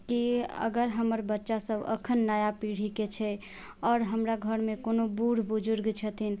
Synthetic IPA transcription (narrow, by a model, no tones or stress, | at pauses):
kiə̰ɡəɾɦəməɾbətːʃasəbə̰kʰənːajapiɽ̤iket͡ʃʰɛ | ɔːɾɦəmɾaɡʱəɾmekonobuɽ̤bud͡ʒuɾɡt͡ʃʰət̪ʰin